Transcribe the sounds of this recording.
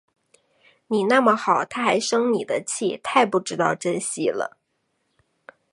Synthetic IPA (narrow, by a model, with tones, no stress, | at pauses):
ni˨˩na˥˩mə˨˩xɑ˨˩ʊt̪ʰa˥xa˧˥ɪʂɤ˥ŋni˨˩d̪ə˦t͡ɕʰi˥˩t̪ʰa˥˧ɪpu˥˩ʈ͡ʂɻ̩˥t̪ɑ˥˩ʊʈ͡ʂə˥nɕi˥˩lə̰˩